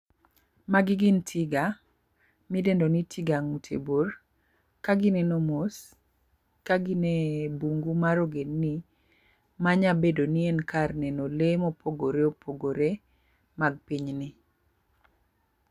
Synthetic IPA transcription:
maɡɪɡɪntʰiɡa | midendonitʰiɡaŋutʰḛbor | kaɡɪnɛnomos | kaɡinɛbuŋɡumaɾoɡenːi | maɲabedonienkarnɛnolemopoɡoɾeopʰoɡoɾe | maɡ̚piɲnɪ

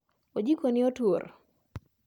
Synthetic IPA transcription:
od͡ʒikonɪotwor

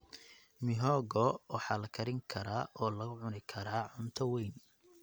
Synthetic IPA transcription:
mɪɦɔːɡɔwɑħɑːlɐkʰɐɾɪŋkʰɐɾaːʔɔːlɐɣʊʕʊnɪkʰɐɾaːʕʊnt̪ʰɐwejn

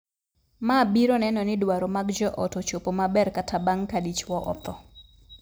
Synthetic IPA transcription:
mabiɾɔnɛnɔnɪdwaɾɔmaɡd͡ʒɔʔɔtot͡ʃopomabɛrkatabaŋkadit͡ʃwɔʔɔ̰t̪ɔ

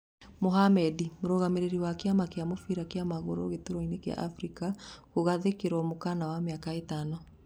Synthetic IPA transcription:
moɦamɛdimoɾoɣameɾeɾiwakeamakeamofiɾakeamaɣoɾo̰ɣetoɾɔinekea̰ʔafɾikaɣoɣaðekeɾɔmokanawameakaetanɔ

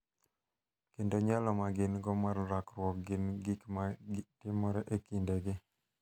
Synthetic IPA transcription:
kendoɲalɔmaɡɪnɡɔmarɾakɾwɔk̚ɡɪnɡɪkmaɡtɪmɔɾɛʔekindeɡɪ

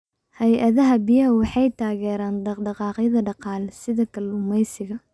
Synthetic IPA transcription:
hɛjʔɐðɐɦɐbɪjɐɦɐwɑħɑjt̪ʰaːɣɛːɾaːndɑɖɑqɑːqjɐðɐɖɑqɑːlsɪðɐkʰɐlʊmɛjsɪɣɐ

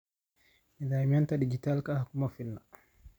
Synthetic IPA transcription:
nidajmantadid͡ʒitalkahakumafinːa

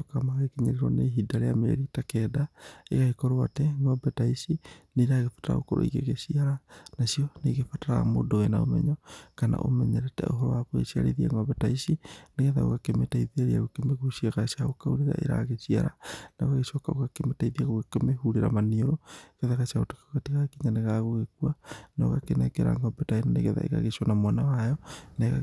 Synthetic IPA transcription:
kamaɣekeɲeɾeɾwɔneɦidaɾeamḛɾitakɛːdaeɣaekɔɾoatɛŋɔbɛtaisineɾaɣefḁtaɾa̰o̰ko̰ɾo̰ḭɣḛɣesiaɾanasiɔneɣefataɾaɣa̰mo̰doɣena̰o̰mɛ̰ɲɔkana̰ʔo̰mɛɲɛɾɛtɛ̰oɦɔɾɔwakwoɣḛsia̰ɾḛðiaŋɔbɛtaisineɣɛðao̰ɣakemetaiðiaɾia̰ɣokemekuʃiaɣasiaɣokauɾiɾa̰ʔḛɾa̰ɣeʃia̰ɾa̰naoɣaɣeʃɔkaoɣakemetaiðiaɣoɣekemehuɾiɾa̰manioɾoɣɛðaɣasiaotokoɣatiɣakiŋaneɣaɣoɣekuanao̰ɣakenɛkɛɾa̰ŋɡɔbɛtainaneɣɛða̰ḛɣa̰ɣeʃɔnamwanawajɔnaeɣa

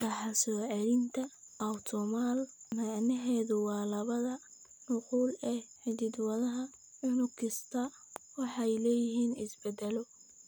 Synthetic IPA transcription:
rɑħɑsɔːʕɛɾɪnt̪ʰɐ | ʔɐwt̪ʰɔmalmaʕnɛɦɛːðʊwɑːlɐβɐðɐ | nʊquːlɛːħɪðɪd̪wɐðɐɦɐ | ʕʊnʊkʰɪst̪ʰɐ | wɑħɑjlɛːjɪɦiːnɪsbɛd̪ɛlɔ

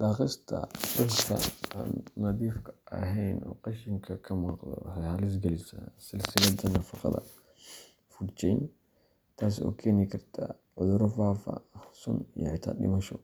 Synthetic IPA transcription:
ɗaːχɪst̪ʰɐ̰bʊst̪ʰɐ̰a̰ːnːɐðiːfkʰɐ̥ʔɐ̰ɦɛjnɔ̰ːqɑʃɪŋkʰɐkʰɐmɑːqd̪ɔ̰hɛhɐlɪs̬ɡɛlɪsɐ̰sɪlsɪlɐd̪ɐnɐfɑqɑ̰ðɐ̰ | fʊt͡ʃɛjn | t̪ʰaːs̬ɔ̰ːkʰɛːnɪkʰɐrt̪ʰa | ʕʊðʊɾɔfaːfɐ̰sʊ̰nijɔ̰ʕɪt̪ʰa̰ːɗɪ̰mɐʃɔ

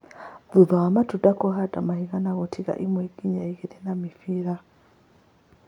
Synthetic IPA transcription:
ðuðaamatudakɔɦadamahiɣanaɣɔtʰiɣa̰ʔimweɡ̥iɲaiɣiðɛnamifiɾa

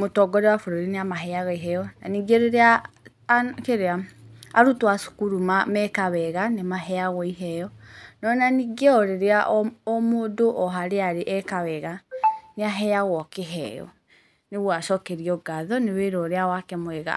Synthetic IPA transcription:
motɔɡɔɾɛwafoɾoɾineamaɦɛaɣaiɦɛjɔna̰niɡeɔɾeɾea | keɾeaaɾutwasu̥kuɾumamɛkawɛɣanemaɦɛjaɣɔiɦɛjɔnɔnaniɡeɔɾeɾeaʔɔɔmoːdoʔɔɦaɾeaɾeʔɛkawɛɣaneaɦɛaɣɔkeɦɛ̰jɔ̰ | neɣwaʃɔkɛɾiɔɡaðɔneweɾɔːɾeawakɛmwɛɣa̰

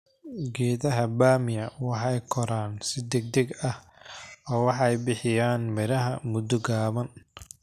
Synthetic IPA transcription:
ɡɛːðɐɦɐbaːmɪjɐwɑħɑjkʰɔɾaːnsɪd̪ɛɡ̚d̪ɛɡɐh | ɔːwɑħɑɛjbɪħɪjaːnmɪɾɐɦɐmʊd̪ɔɡaːβɐn

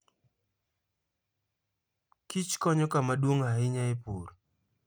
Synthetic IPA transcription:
kit͡ʃkɔɲɔkamadwoŋaɪɲaepoɾ

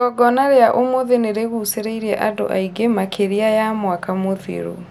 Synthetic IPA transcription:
ɔɡɔnaɾeaʔomoðeneɾeɣuseɾeiɾɛʔado̰ʔaiɡemakʰeɾiajamwakamoðḛɾo̰

